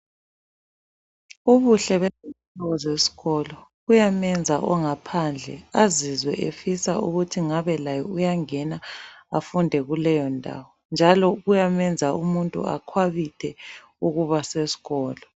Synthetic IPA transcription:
uβuɬɛβɛsɛtɔɣɔzesi̥ɣɔlɔɣujamɛnd͡zʱaʔɔŋapʰand͡ɮʱɛ̰azizwɛ̰ʔefisa̰uɣutʰiŋaβɛlajɔujaŋɛnaafundʱɛɣulɛjɔndʱa̰wɔnd͡ʒʱalɔɣujamɛnd͡zʱaumuntʼṵa̰kʰwaβitʰɛ | uɣuβasesi̥ɣɔːlɔ

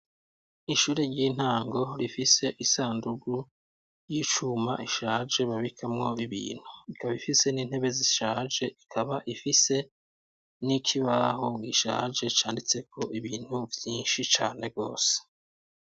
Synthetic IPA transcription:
iʃuːɾeɾɟiːn̥haːŋɡo̞ɾifise̞ʔisaːnduɡu | jiːt͡ʃuma̰ʔiʃaːʒe̞βaβikʰamŋo̞iβḭːn̥huikaβaifise̞niːn̥he̞βe̞ziʃaːʒe̞ʔikʰaβaʔifise̞ | nikʰiβaɦoɡiʃa̰ːʒe̞t͡ʃaːndit͡se̞kʰo̞ʔiβiːn̥huvjiːnʃit͡ʃaːne̞bɡo̞̰ːse̥

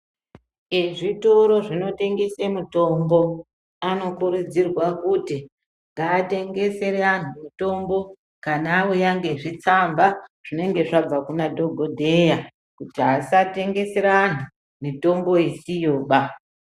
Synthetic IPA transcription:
eʐitoɾo̞ʐino̞te̞ŋɡe̞semuto̞mbo̞ | ano̞kuɾud͡zirwakuti | ŋɡaːte̞ŋɡe̞se̞ɾean̤umito̞mbo̞ | kanawojaŋɡe̞ʐit͡sambaʐ̥ine̞ŋɡe̞ʐab͡vakunadʱo̞ɡʱodʱe̞ja | kutiɦasate̞ŋɡe̞se̞ɾaːnu | mito̞mbo̞esijoːɓa

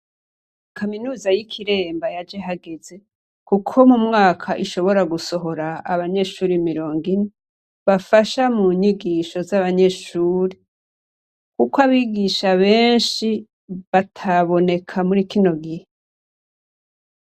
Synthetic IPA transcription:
kʰaminuːzajikʰiɾe̞ːmbajad͡ʒeɦaɡe̞ze̞ | kukʰo̞mumŋaːkʰaʔiʃo̞βo̞ɾaɡuso̞ɦo̞ɾaːβaɲe̞ːʃuːɾimiɾo̞ːŋɡine | βafaʃamuɲiɡiːʃo̞zaβaɲe̞ːʃuːɾi | kukwaβiːɡiʃaβeːnʃi | βatʰaβo̞ne̞kʰamuɾikino̞ɡihe

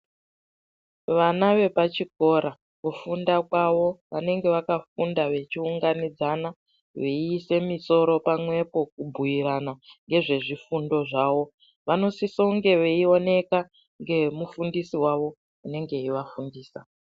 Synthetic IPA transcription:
ʋanaʋe̞pat͡ʃik̚o̞ɾa | kufundakwaʋo̞ʋane̞ŋɡe̞ʋakafundaʋe̞t͡ʃiuŋɡanid͡zana | ʋeise̞miso̞ɾo̞pamwe̞po̞k̚ubʱujiɾanaŋɡe̞ʐe̞ʐifundo̞ʐaːʋo̞ | ʋano̞sisoŋɡe̞ʋeio̞ne̞ka | ŋɡe̞mufundisiwaʋo̞ | une̞ŋɡe̞iʋafundiːsa

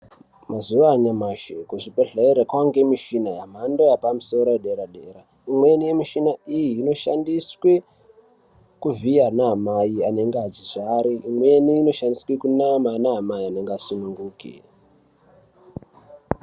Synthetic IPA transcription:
mazuʋaːɲamaʃekoʐipeɬeiɾekwaŋɡe̞miʃinajam̤andojapamuso̞ɾoeɗe̞ɾaɗe̞ːɾa | imwe̞nijemiʃinaijiːno̞ʃandiswe | kuvianaamajiane̞ŋɡead͡ziʐaɾiːmwe̞niːno̞ʃandiswekunamanaɦamajiane̞ŋɡeasunuŋɡuːkḭ

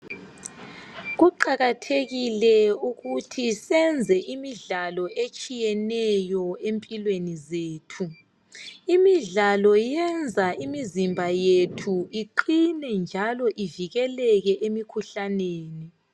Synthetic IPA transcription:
ɣuǃaɣatʰeɣilɛuɣutʰisɛnd͡zʱɛʔimiɮalɔʔet͡ʃʼijɛnɛjɔempʼilwenizeːtʰu | imiɮalɔjɛnd͡zʱaʔimizimbʱajetʰuiǃinɛnd͡ʒʱalɔʔiviɣɛlɛɣɛʔemikʰuɬaneːni

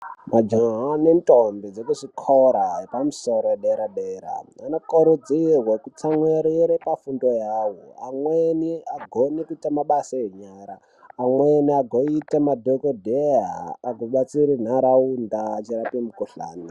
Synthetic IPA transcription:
mad͡ʒoɦanentʼombid͡zekuʐikʰoɾaɦepamusoɾoeɗeɾaɗeɾa̰anokoɾud͡zirwekut͡saŋweɾiɾepafundojaːwoamweniaɡʱonikuitamaɓasajeɲaːɾaː | mweniaɡʱoitamadʱokodʱeaːɡʱoɓat͡siɾin̤aɾaundat͡ʃiɾapimukuɬa̰ːni

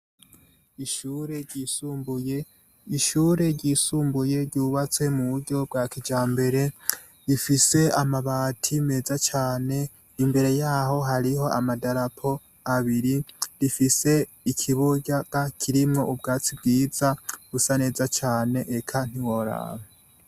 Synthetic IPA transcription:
iʃuːɾe̞ɾɟiːsuːmbuje | iʃuɾe̞ɾɟiːsuːmbuje̞ɾɟuːβat͡swe̞muβuɾɟo̞bɡakid͡ʒaːmbe̞ɾe̞ | ɾifise̞amaβaːtʰime̞ːzat͡ʃaːne̞ | imbe̞ɾe̞jaːɦo̞ɦaɾiɦo̞amadaɾapʰo̞ | aβiɾiɾifise̞ | ikʰiβuɟaɡakʰiɾimŋo̞ʔubɡaːt͡sib̚ɡiːz̥aɡ̥usane̞ːzat͡ʃaːne̞ʔekʰan̥iwoɾa̰me

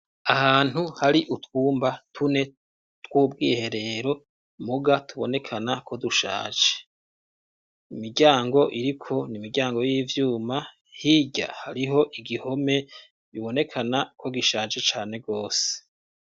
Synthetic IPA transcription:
ahaːn̥huhaɾiʔutkuːmbatʰune̞ | twuːb̚ɡihe̞ɾe̞ɾo̞ | muɡatʰuβo̞ne̞kʰanakʰo̞duʃa̰ːt͡ʃe̥ | imiɾɟaːŋɡo̞ʔiɾikʰo̞nimiɾɟaːŋɡo̞jiːvjuːma | hiɟa̰haɾiɦo̞ʔiɡiho̞me̞ | βiβo̞ne̞kʰanakʰo̞ɡiʃaːt͡ʃet͡ʃaːne̞ɡo̞ːse̥

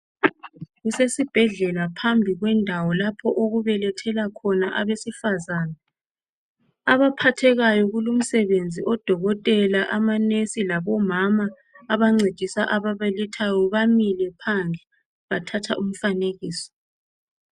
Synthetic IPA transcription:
ɣusesib̥ʱɛɮɛlapʰambʱiɣwɛndʱawɔlapʰɔʔoɣuβɛlɛtʰɛlakʰɔnaʔaβesifazaːna | aβapʰatʰɛɣajɔɣulum̩sɛβend͡zʱiʔɔd̥ʱɔɣɔtʼɛlaʔamanesilaβɔmamaː | βaŋ͡ǀed̥ʱisaʔaβaβalitʰajɔβamilɛpʰand͡zʱi | βatʰatʰa̰ʔum̩faneɣiːsɔ̥

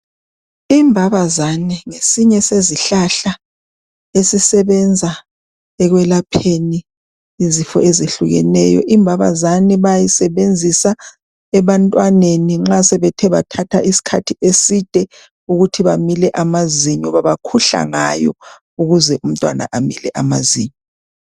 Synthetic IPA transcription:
imbʱaβazaniŋesiɲɛseziɬaɬa | esisɛβɛnd͡zʱa | ɛɣwɛlapʰeniː | zifɔʔezeɬuɣɛ̰nɛjɔ̰ʔimbʱaβa̰zaniβajisɛβend͡zʱisa | ɛβantʼwaneniŋ͡ǁasɛβɛtʰɛβa̰tʰatʰaʔisi̥kʰatʰiʔesid̥ʱɛ | uɣutʰiβamilɛʔamaziɲɔβaβakʰuɬa̰ŋa̰jɔ̰ | uɣuzɛʔum̩tʼwana̰ʔamilɛʔamaziːɲɔ

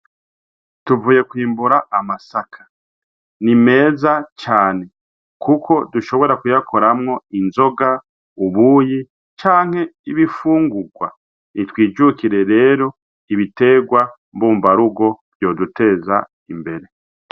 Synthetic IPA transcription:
tuvuːje̞kwiːmbuɾaʔːmasakʰḁ | nime̞ːzat͡ʃaːne̞ | kʰukʰo̞duʃo̞βo̞ɾakujakʰo̞ɾamŋo̞inzo̞ɡa | uβuːji | t͡ʃaːŋ̥he̞iβifuːŋɡuɡwa̰ | nitwiːd͡ʒukiɾe̞ɾe̞ːɾo̞ | iβite̞ɡwa | mbuːmbaɾuɡo̞βjo̞ːdute̞ːza̰ | imbe̞ɾe̞

